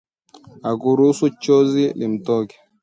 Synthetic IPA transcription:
akuɾusut͡ʃɔzilim̩tɔkɛ̥

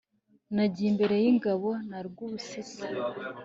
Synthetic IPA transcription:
naɟiːmbe̞ɾe̞jiŋɡaβo̞naɾɡuβusisi

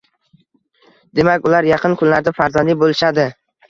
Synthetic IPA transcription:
d̪e̞makʲʊlaɾjɑqʰɨnkʰʊnlaɾd̪afaɾzɒnɪbolɪʃad̪ɪ

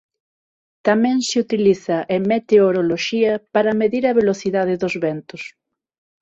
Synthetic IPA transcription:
t̪amɛ̃ŋsɪut̪iliθɐʔemet̪eoɾoloʃiɐpaɾɐmeðiɾɐβeloθiðaðɪðozβɛnt̪ʊs

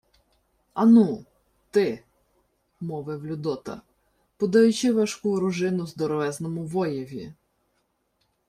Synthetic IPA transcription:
ɐnu | t̪ɪ | mɔʋɛwlʲʊd̪ɔt̪ɐ̰ | pɔd̪ɐjʊt͡ʃɪʋɐʃkuɔɾʊʒɪnʊzd̪ɔɾɔʋɛznɔmʊʋɔjiʋʲḭ

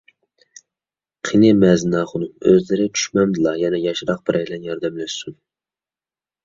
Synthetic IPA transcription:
qʰinɪmɛznɑːχʊnɨmøzlɪɾɪt͡ʃʰy̥ʃmɛmd̪ɨlˠɑjɛnɛjɑʃɾɑq̚bɪɾʔɛjlɛnjɑɾd̪ɛmlæʃsun

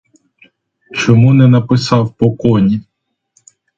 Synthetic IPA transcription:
t͡ʃɔmunɛnɐpɪsɑwpɔkɔnʲi

